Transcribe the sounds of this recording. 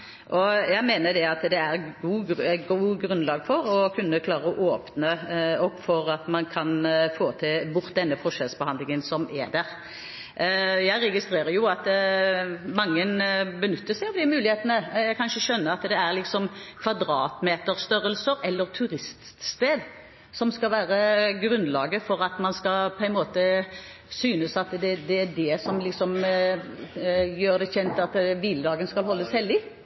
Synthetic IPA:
ʔɔjæɪmeːnəd̪ɛɑt̪d̪ɛæɾɡuːɡuːɡɾʉnlɑːɡfɔɾɔkʰʉnːəkʰlɑːɾəɔʔoːpnəɔɡfɔɾɑt̪mɑnkʰɑnfoːt̪ʰɪlbʊʁt̪̚d̪ɛnːəfɔʂɛlsbəhɑnd̪lɪŋənsɔmɛ̰d̪æʁ | jæɪɾɛɡɪst̪ɾeːɾəjʊɑt̪ | mɑŋːənbənʉt̪ʰːəsæɪɔmd̪ɪmʉːlɪheːt̪ənəjæɪkʰɑnʃəʃœnːəɾɑt̪d̪ɛæʁlɪksɔmkʰʋɑd̪ɾɑːt̪meːt̪əɾst̪œɾəlsəɾɛlːəʁt̪ʰʉɾɪst̪t̪st̪eːd̪ | sɔmskɑlʋæːʁəɡɾʉnlɑ̰ːɡəfɔɾɑt̪mɑnskɑpʰɔɛnmoːt̪ə | syːnəsɑt̪d̪ɛd̪ɛæɖ̪ɛsɔmlɪksɔm | jøːʁd̪ɛçɛnt̪ɑt̪ʋiːləd̪ɑːɡənskɑlhɔlːəshɛld̪ɪ

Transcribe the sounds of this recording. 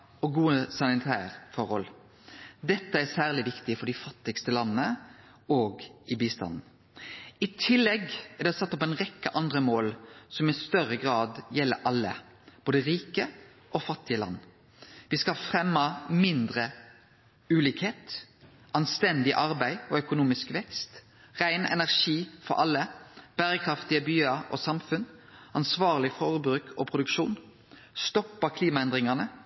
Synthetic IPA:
ɔɡuːəsɑnɪt̪ʰæ̰ːʁfɔʁhɔl | d̪ɛt̪ːəæsæːʁlɪʋɪkt̪ɪfɔɖɪfɑt̪ːɪɡst̪əlɑnːənə | oːɡɪbiːst̪ɑ̰nn̩ | ɪt̪ʰɪlːɛɡæɖ̪ɛsɑt̪ːɔpæɪnʁɛkːəʔɑnd̪ʁəmoːlsɔmɪst̪œɾəɡʁɑːd̪jɛlːə̰ɾʔɑlːə̰ | b̥oːd̪əɾiːkə | ʔɔfɑt̪ːɪəlɑ̰nː | ʋɪskɑlfʁɛmːɑmɪnd̪ʁə | ʉːliːkheːt̪ | ɑnst̪ɛnd̪ɪʔɑʁbæɪɔœkʊnuːmɪskʋɛkst̪ | ʁæɪnɛ̰næʁʂiːfɔ̰ɾʔɑlːəb̥æːɾəkʰɾɑft̪ɪəbyːɑʔɔ̰sɑmfʉnɑnsʋɑːʁlɪfɔʁbɾʉːkʰɔpʰʁʊd̪ʉkʃuːn | st̪ɔpːɑkʰliːmɑɛnd̪ʁɪŋɑnə

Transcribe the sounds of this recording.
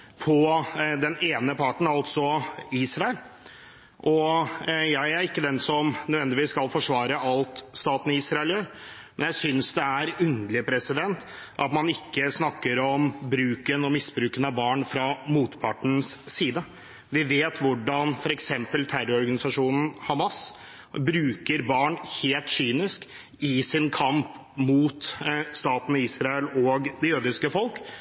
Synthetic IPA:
pʰɔd̪ɛneːnəpʰɑʈɳ̩ɑlt̪sɔiːsɾɑɛl | ʔɔ | jæɪæɾɪkːəd̪ɛnsɔmnœd̪ʋɛnd̪ɪʋiːsːkɑlfɔʂʋɑːɾəɑlt̪st̪ɑːt̪n̩iːsɾɑɛlə | mɛnjæɪsʏnsd̪ɛæɾʉnd̪əlɪpʰɾɛsɪd̪ɛnt̪ | ʔɑt̪mɑnɪkːəsnɑkːəɾɔmbɾʉːkənɔmɪsbɾʉːkənɑbɑːɳfɾɑmuːt̪pʰɑʈəɳ̩sːiːd̪ə | ʋɪʋeːt̪ʋʊɖɑnfɔɾɛksɛmpəlt̪ʰæɾɔɔɾɡɑnɪsɑʂuːnn̩hɑmɑs | bɾʉːkəɾbɑːɳheːlt̪syːnɪsk | ɪsɪnkʰɑmp | muːt̪st̪ɑːt̪ən̩əiːsɾɑɛlɔːɡd̪ɛjøːd̪ɪskəfɔlk

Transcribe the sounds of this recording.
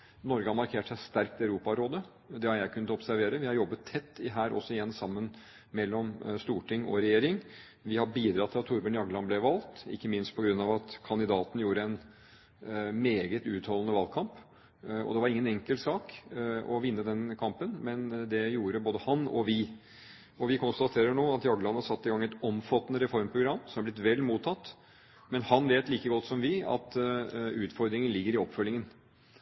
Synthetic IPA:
nɔɾɡəhɑɾmɑɾkʰeːʈʂæɪst̪æɾk̚t̪ʰɪæʉɾuːpɑɾoːd̪ə | d̪ɛhɑɾjæɪkʰʉnət̪ɔpsæɾʋeːɾəʋɪhɑɾjɔbːət̪ʰːɛt̪ːɪɦæːɾɔ̰sːɔɪjɛnːsɑmːən | mɛlːɔmst̪uːʈɪŋːɔ̰ɾɛjeːɾɪŋ | ʋɪhɑbiːd̪ɾɑt̪ʰːɪlɑt̪ʰːʊɾbənjɑɡlɑnblɛʋɑlt̪ɪ̰kːəmɪnst̪̚pʰɔɡɾʉnːɑʋɑt̪kʰɑnd̪ɪd̪ɑːt̪n̩juːɾəɛn | meːɡət̪ʉːt̪hɔlnəʋɑːlkʰɑmp | ɔ̰d̪ɛʋɑɾɪŋːənɛŋkəlt̪sɑːkɔʋɪnːəd̪ɛnkʰɑmpənmɛnd̪ɛjuːɾəboːd̪əhɑnɔ̰ʋɪ | ɔʋɪkʰʊnst̪ɑt̪ʰeːɾəɳoːɑt̪jɑɡlɑnɑsɑt̪ːɪɡɑŋːɛt̪ɔmfɑt̪ːnəɾɛfɔɾmpʰɾʊɡɾɑmːsɔmæblɪt̪ʋɛlːmuːt̪ʰːɑt̪ː | mɛnhɑnʋeːt̪liːkəɡɔt̪ːsɔmʋɪɑ̰t̪ʉːt̪fɔɾd̪ɾɪŋənlɪɡːəɾɪɔpːfœlːɪŋən

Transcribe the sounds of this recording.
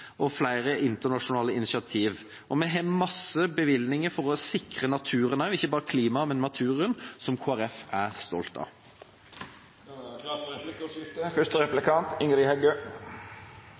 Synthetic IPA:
ʔɔflæɪʁəʔɪnt̪ənɑʂʊnɑːləɪnɪʃɪɑt̪ʰiːʋ | ʔɔmɛɦɛːmɑsəbəʋɪlnɪŋəɾfɔʁɔsɪkʁənɑt̪ʰʉːʁənɑʉɪçːəbɑːʁəkʰliːmɑmɛnmɑt̪ʰʉːʁənsɔmkʰoːæʁɛfæʁst̪ɔ̰lt̪ɑ̰ | fʉst̪əɾɛplɪkʰɑnt̪ɪŋɾihɛɡøː

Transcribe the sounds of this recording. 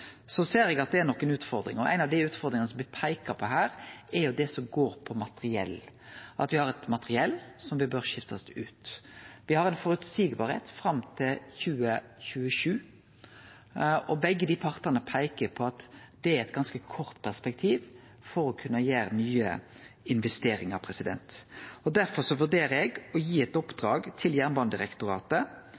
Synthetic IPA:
sɔseːɾɛɡɑt̪̚d̪ɛːɾnɔkːənʉːt̪fɔɾd̪ɾɪ̰ŋɔʔæ̰ɪnɑʋd̪ɪʉːt̪fɔɾd̪ɾɪŋənəsɔmʋɪpʰæɪkəɾpʰɔɦæːɾɛjʊd̪ɛsɔmɡoːɾpʰɔmɑt̪əɾɪɛ̰lː | ʔɑ̰t̪ʋɪhɑɾɛt̪mɑt̪əɾɪɛlːsɔmʋɪbøɾʃɪft̪ɑsʉːt̪ʋɪhɑɾɛɪnfɔɾʉt̪siːɡbɑːɾhḛːt̪fɾɑmt̪ʰɪlçʉːəçʉːəʃʉː | ɔbɛɡːəd̪iːpʰɑʁt̪ɑnəpʰæɪkəpʰɔɑt̪d̪ɛɛt̪ɡɑnskəkʰɔɾt̪pʰæʁspɛk̚t̪ʰiːʋ | fɔɾɔkʰʉnːəjeːɾnyːə̰ɪnʋɛst̪eːɾɪŋɑʁpʰɾɛsɪd̪ɛ̰nt̪ɔd̪æɾfɔʁsɔʋʉʁd̪eːɾəɛɡɔjiːɛt̪ɔpd̪ɾɑːɡt̪ʰɪljæʁnbɑnd̪ɪʁɛkt̪ʊɾɑ̰ːt̪ə

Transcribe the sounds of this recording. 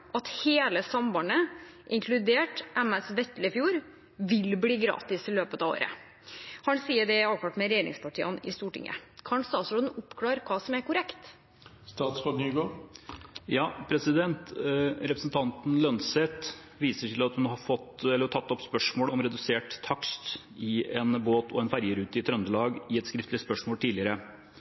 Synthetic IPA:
ʔɑt̪heːləsɑmbɑnəʔɪŋkʰlʉd̪eːʈʔɛmɛsʋɛt̪ːləfjuːɾ | ʋɪlbliːɡɾɑ̰ːt̪ɪsɪløːpət̪ɑːʋo̰ːɾə̰ | hɑnsiːəɖɛɑːʋk̪ɑʈ̪mɛɾɛjeːɾɪ̰ŋspʰɑʈʰiːənɪ̰st̪uːʈɪ̰ŋːʔə̰kʰɑnst̪ɑːt̪sɾoːd̪n̩ʊpːkʰlɑːɾkʰɑːsɔmæɾkʊɾɛkt̪ | st̪ɑːt̪sfɑɡnyːɡoː | jɑːpʰɾɛsɪd̪ɛnt̪ɾɛpɾəsn̩t̪ʰɑnt̪n̩lœnsheːt̪ | ʋiːsəʈʰɪlɑt̪hʉnhɑɾfɔt̪ɛlːəʈʰɑt̪ːɔpspœʂmoːlɔmɾɛd̪ʉseːʈt̪ʰːɑkst̪ | ɪɛnboːt̪ʰɔɛnfæɾjəɾʉːt̪ɪt̪ʰɾœnd̪əlɑːɡɪɛt̪skɾɪft̪lɪspœʂmoːlt̪ʰiːlɪəɾə

